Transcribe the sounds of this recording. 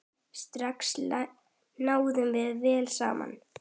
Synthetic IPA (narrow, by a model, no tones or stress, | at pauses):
st̪ɾaks | naːwðʏmvɪðvɛːlsa̰ːma̰n